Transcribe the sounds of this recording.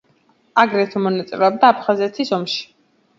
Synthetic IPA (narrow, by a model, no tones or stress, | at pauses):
aɡɾɛt̪ʰɔmɔnat̪sʼɛɾɛɔb̚d̪aːpʰχazɛt̪ʰisɔmʃi̥